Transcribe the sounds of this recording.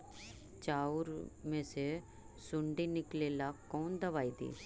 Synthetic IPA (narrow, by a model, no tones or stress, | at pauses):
t͡ʃaːuɾmẽːse | sʊɳɖiːnɪkleːlaːkoːnd̪əʋaːiːd̪ḭː